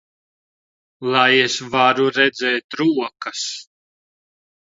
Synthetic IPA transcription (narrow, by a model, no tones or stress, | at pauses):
lˠajesvaɾuɾɛd̪zɛːt̪ɾuɔkɐs